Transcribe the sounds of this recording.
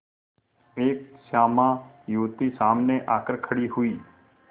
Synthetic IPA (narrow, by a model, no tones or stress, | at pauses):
eːksaːmãː | juːt̪isaːmneʔaːkəɾkʰəɽiɦʊiː